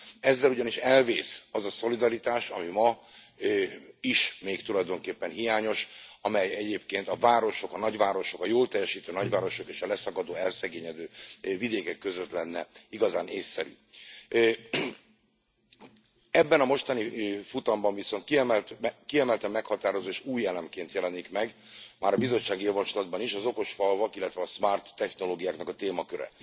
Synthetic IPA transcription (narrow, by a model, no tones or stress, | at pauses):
ɛzːɛluɟɒniʃɛlveːsɒzɒso̞lid̪ɒɾit̪aːʃɒ̰mimɒ | iʃmeːkt̪ulɒjd̪o̞ŋkeːpːɛnɦijaːɲo̞ʃɒmɛjɛɟeːpkeːnt̪ɒvaːɾo̞ʃo̞kɒnɒɟvaːɾo̞ʃo̞kɒjoːlt̪ɛjːɛʃiːt̪øːnɒɟvaːɾo̞ʃokeːʃɒlɛsɒkɒd̪oːɛlsɛɡeːɲɛd̪øːvid̪eːkɛkːøzø̞t̪lɛnːɛiɡɒzaːneːsːɛɾy̰ː | ɛbːɛnɒmo̞ʃt̪ɒnifut̪ɒmbɒɱviso̞nt̪kiɛmɛlt̪kiɛmɛlt̪ɛmːɛkhɒt̪aːɾo̞zoːeːʃuːjːɛlɛmkeːnt̪jɛlɛnikmɛɡ | maːɾɒbizo̞t͡ʃːaːɡijɒvɒʃlɒd̪̚bɒniʃɒzo̞ko̞ʃfɒlvɒkilːɛt̪vɛɒsmart̪ːɛxno̞loːɡijaːknɒkɒt̪eːmɒkøɾɛ̰